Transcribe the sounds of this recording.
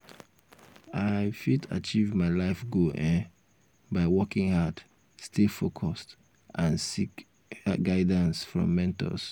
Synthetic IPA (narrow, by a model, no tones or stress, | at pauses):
aɪfitʰa̰t͡ʃivmaɪlaɪfɡoʔɛ̃n | baɪwɔkɪ̃ŋhad | stefokʰɔst | ʔãnsik | ɡaɪdə̃nsfɹɔ̰̃mːɛ̃ntɔ̰s